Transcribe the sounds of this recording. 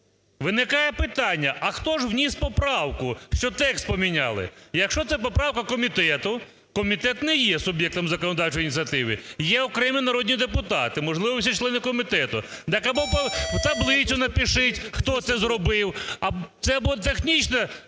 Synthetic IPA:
ʋɪnɪkɑjɛpɪt̪ɑnʲːɐʔɐxt̪ɔʒwnʲispɔpɾɑwkʊʃt͡ʃɔt̪ɛkst̪pɔmʲinʲɑ̰lˠɪ̰jɐkʃt͡ʃɔt̪sɛp̬ɔpɾɑwkɐkɔmʲit̪ɛt̪ʊ | kɔmʲit̪ɛt̪nɛjɛsʊbjɛk̚t̪ɔmzɐkɔnɔd̪ɑwt͡ʃɔjinʲit̪sʲjɐt̪ɪʋɪjɛɔkɾɛminɐɾɔd̪ʲnʲid̪epʊt̪ɑt̪ɪmɔʒlˠɪʋɔsʲɐt͡ʃlˠɛnɪkɔmʲit̪ɛt̪ʊ | d̪ɛkɐbɔpɐwt̪ɐblˠɪt͡sʲʊnɐpʲiʃɪtʲxt̪ɔt̪sɛzɾɔbɪwɐt̪sɛɐbt̪exnʲit͡ʃnɛ

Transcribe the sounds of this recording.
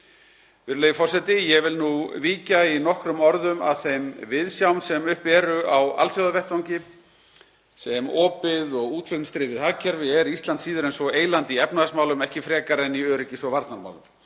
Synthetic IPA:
vɪɾlejʏfɔrsɛt̪ɪjɛvɪlnuviːcainɔhkɾʏmɔɾðʏma̰ðθejmvɪðsjawnsɛmʏhpɛːɾʏawa̰lθjɔwðavɛht̪vawɲcɪ | sɛmɔːpɪðɔɣuːt̪ʰfɪknst̪ɾɪːvɪðhaːcʰɛɾvɪɛɾist̪lant̪siːðʏɾɛjnsɔeːjlant̪ɪiɛpnaasmawlʏmɛhcɪfɾɛːkaɾɛniœːɾɪcɪsvɔvaɾt̪naɾma̰wlʏm

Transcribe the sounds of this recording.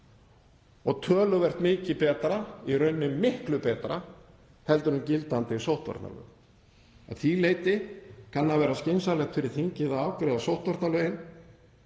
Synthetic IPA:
ɔɣt̪ʰœːlʏvɛr̥t̪mɪːcɪpɛːt̪ɾaiɾœɥnːʏmːɪhklʏpɛːt̪ɾa | hɛlt̪ʏɾʏmcɪlt̪ant̪ɪsowht̪va̰ɾt̪na̰lœ̰ɣ | a̰ðθileːjt̪ɪkʰanːavɛːɾascejnsalɛxt̪fɪɾɪɾ̥θiɲcɪðaaːwkɾɛːðasowht̪vaɾt̪nalœːɥjɪn

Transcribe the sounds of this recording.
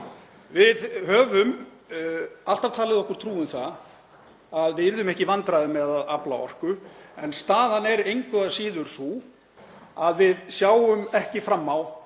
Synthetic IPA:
vɪðhœːvʏm | al̥t̪av̥t̪ʰaːlɪðɔhkʏɾ̥t̪ʰɾuːʏmθa | aðvɪðɪɾðʏmɛhcɪvant̪ɾajðʏmɛðaðaplaɔ̰r̥kʏɛnst̪aːðanɛɾejŋkvʏasiːðʏɾ̥su | aðvɪðsjaːwʏmɛhcɪfɾamːaw

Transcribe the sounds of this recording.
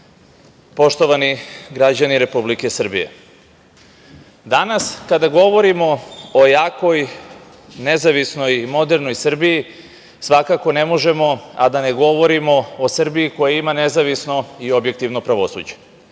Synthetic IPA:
po̞ʃt̪o̞ʋaniɡɾad͡ʑaniɾe̞publike̞sr̩bḭjḛ | d̪anaskad̪aɡo̞ʋo̞ɾimo̞ojaːko̞j | nezaʋisno̞jmo̞d̪e̞ɾno̞jsr̩biji | sʋakako̞ne̞mo̞ʒe̞mo̞a̰d̪ane̞ɡo̞ʋo̞ɾimo̞osr̩biiko̞jaimanezaʋisno̞io̞bje̞k̚t̪iʋnopɾaʋo̞sṵd͡ʑe̥

